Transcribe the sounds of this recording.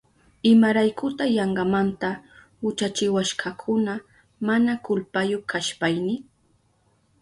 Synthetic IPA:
ɪmaɾajkʊt̪ajɑɴɢɑmant̪a | hʊt͡ʃat͡ʃɪwaʃkɑkʰʊna | manakʊlpajokaʃpajnɪ

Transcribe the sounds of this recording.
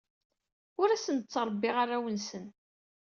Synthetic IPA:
ʊɾæsənət͡sːəɾˤbːɪʁaɾawənsən

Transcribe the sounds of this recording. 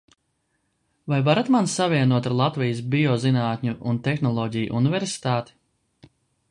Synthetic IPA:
vajvaɾat̪mansaviɛnuɔt̪aɾlˠat̪vijs̬biɔzinaːt̪ʲɲuʔunt̪ɛxnɔlˠɔːɟij̰ʔṵnivʲɛɾsi̥t̪aːt̪i̥

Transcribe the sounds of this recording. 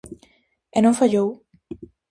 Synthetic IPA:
enõɱfaʎow

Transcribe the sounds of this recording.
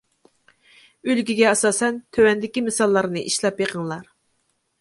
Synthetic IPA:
ølɡʲiɡʲɛɑsɑːsɛnt̪ʰøwɛnd̪ɪkʲimɨsɑlˠːɑɾnɨʔiʃlˠɑpjeqʰəŋlˠɑɾ

